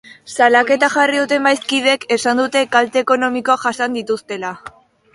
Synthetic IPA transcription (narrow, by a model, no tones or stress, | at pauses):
salake̞t̪aʝariðut̪e̞mbajskiðe̞ke̞sand̪ut̪e̞kalt̪e̞ːko̞no̞miko̞aʝasand̪it̪ust̪e̞la